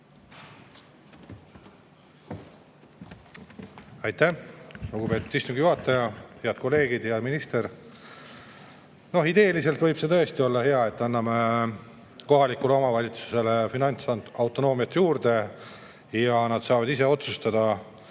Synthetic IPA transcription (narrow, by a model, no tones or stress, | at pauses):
ɑjt̪ːæluɡ̥ub̥e̞ːt̪ːˑud̪̥ist̪uŋɡ̥ijuɦɑt̪ːˑɑjɑheɑd̪̚ko̞lːe̞ːɡ̥id̪jɑminist̪e̞ɾ | no̞hid̪e̞ːlise̞lt̪vɤjb̥se̞t̪ɤ̞e̞st̪io̞lːɑhe̞ɑe̞t̪ːˑɑnːɑme | ko̞ɦɑlikːule̞o̞mɑvɑlʲit̪su̥se̞lefinɑnʲt̪sɑɑwt̪ːˑo̞no̞ːmijɑt̪ːjuːrd̪̥e̞ | jɑnɑd̪̥sɑːvɑd̪ise̞o̞t̪sust̪ɑd̪̥ɑ